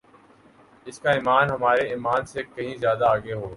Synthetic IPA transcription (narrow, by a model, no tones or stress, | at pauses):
ɪskaɪːmaːnɦɐmaːɾeːmaːnsekɐɦĩzjaːd̪aːɡeɦoː